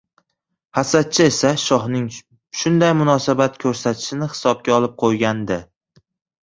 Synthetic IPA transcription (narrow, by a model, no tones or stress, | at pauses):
hasat̪̚t͡ʃʰɪe̞saʃɒhnɪŋ | ʃʊnd̪ajmʊnɒsabat̪kʲʰɵɾsat̪ʰɪ̥ʃɪnɪhɪ̥sɒb̚ɡʲaɒlˠɪp̚qʰojɡʲand̪ɪ